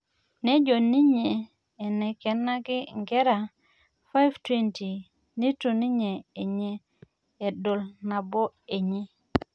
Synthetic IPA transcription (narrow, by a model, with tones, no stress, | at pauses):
ne˦d͡ʒo˨ni˦ɲeː˨ | ne˨ke˨nːa˦ɡi˦ŋɡe˦ɾa˨ | fa˦jvtwe˦nti˨ | ni˦to˨ni˦ɲeː˨ɲeː˦˨ | do˨lna˨bo˦e˨ɲi˦